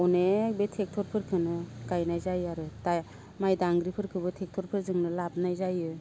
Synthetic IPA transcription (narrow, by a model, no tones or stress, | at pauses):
ɔnebetʰek̚tʰɔɾpʰɯɾkʰɯnɯɡajnajzajaɾɯta | majdaŋɡɾipʰɯɾkʰɯbɯtʰek̚tʰɔɾpʰɯɾzɯŋnɯlab̚najzajɯ